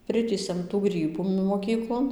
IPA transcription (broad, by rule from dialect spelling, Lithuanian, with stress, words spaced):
ˈpʲrʲɪtʲiːsʲɛm tuː ˈɡrʲiːbuː moːˈkʲiːklˠoːn